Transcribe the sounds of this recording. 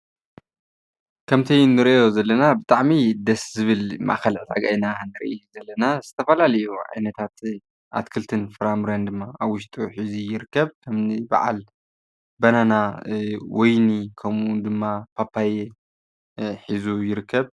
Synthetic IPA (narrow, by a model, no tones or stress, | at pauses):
kʰɐmt̪ʰijnːɨɾiʔo̞zɐlːɐnabɨt̪ʼaʕmid̪ɐszɨβɨlma̰xɐlʕt̪ʰaɡajnanɨɾʔijuzɐlːɐnazɨt̪ʰɐfɐlalɐjuʕa̰jnɐt̪ʰat̪ | ʔa̰t̪kʰɨlt̪ʰɨnfɾamɾɐnd̪ɨmːaaβwʊʃt̪ʼuħizijɪɾɨkːɐβkʰɐmniba̰ʕa̰l | bɐnanawʔɔjnikʰɐmʔund̪ɨmːapʰapʰːaje | ħizujɪɾɨkːɐβ